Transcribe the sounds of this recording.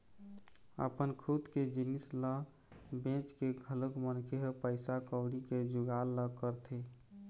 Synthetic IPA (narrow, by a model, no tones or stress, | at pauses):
ə̰pənkʰut̪ked͡ʒinislə | bẽt͡ʃkeɡʱələkmənkʰeɦpəɪsakəɽiked͡ʒʊɡalːəkəɾt̪ʰe